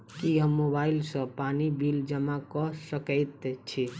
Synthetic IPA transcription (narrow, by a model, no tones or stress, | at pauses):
kiɦəmːobailsə̃panibild͡ʒəmakɔsəkəɪt̪t͡ʃʰi